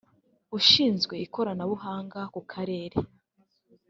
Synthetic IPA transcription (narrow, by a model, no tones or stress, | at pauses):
uʃiːnzɡwe̞iko̞ɾanaβuhaːŋɡakukʰaɾe̞ːɾe